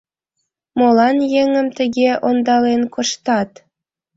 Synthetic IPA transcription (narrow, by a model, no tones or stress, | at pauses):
molˠɑnjeŋə̆mt̪ɘ̆ɡʲeʔond̪ɑlenkŏʃt̪ɑt̪